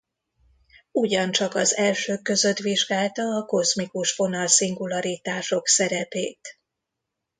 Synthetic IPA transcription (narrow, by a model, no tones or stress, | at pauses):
uɟɒnt͡ʃɒkɒzɛlʃøːkːø̞zø̞t̪ʋiʒɡaːlt̪ɒːko̞zmikuʃfo̞nɒlsiŋɡulɒɾit̪aːʃo̞ksɛɾɛpḛːt̪